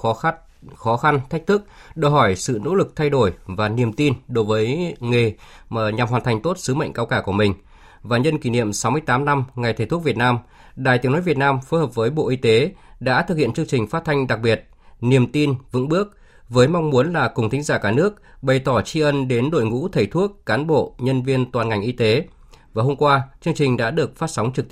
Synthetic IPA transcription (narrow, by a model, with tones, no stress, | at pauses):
ɔ˨˦ | xɔ˨˦xa˧nt̪ʰa˦˥k̟̚t̪ʰɨ˦˥k̚ɗəː˧˩ɦɔ˧˩jsɨ̰˧˨no̰˧˥lɨ˨˩k̚t̪ʰa˧jɗo˧˩jvaː˨˩ni˨˩əmt̪i˧nɗo˨˦jvəː˨˦jŋe˨˩˨ | ɲa˨˩mhwaː˨˩nt̪ʰŋ̟t̪o˦˥t̚sɨ˨˦mə̰˧˨jŋkaː˧wkaː˧˩ku˧˩əmï˨˩ŋ̟ | vaː˨˩ɲə˧nki˧˩nḭ˧˨əmsa˨˦wmɨ˧əjt̪aː˨˦mna˧mŋa˨˩jt̪ʰe˧˩t̪ʊ˦˥vi˨˩ət̚naː˧m | ɗaː˨˩jt̪i˨˦ŋnoː˨˦jvi˨˩ət̚naː˧mfo˨˦jɦəː˨˩p̚vəː˨˦jɓo̰˧˨ʔi˧t̪e˨˦ɗa̰ː˧˥t̪ʰɨ˨˩k̚hḭ˧˨ənt͡ɕɨ˧əŋt͡ɕï˨˩ŋ̟faː˦˥t̚t̪ʰa˧jŋ̟ɗa˨˩k̚ɓi˨˩ət̚ | ni˨˩əmt̪i˧nvɨ̰˧˥ŋɓɨ˦˥ək̚ | vəː˨˦jmɔ˧wŋ͡mmu˨˦ənlaː˨˩kʊ˨˩ŋ͡mt̪ʰï˨˦ŋ̟zaː˧˩kaː˧˩nɨ˦˥ək̚ɓə˨˩jt̪ɔ˧˩t͡ɕi˧ʔə˧nɗe˨˦nɗo̰˧˨jŋṵ˧˥t̪ʰə˨˩jt̪ʰu˦˥əkːaː˨˦nɓo̰˧˨ɲə˧nvi˧ənt̪waː˨˩nŋa˨˩jŋʔi˧t̪e˨˦ | vaː˨˩ɦo˧mŋ͡mkwaː˧t͡ɕɨ˧əŋt͡ɕï˨˩ŋ̟ɗa̰ː˧˥ɗɨ˨˩ək̚faː˦˥t̚sa˨˦wŋ͡mt͡ɕɨ˨˩k̚t̪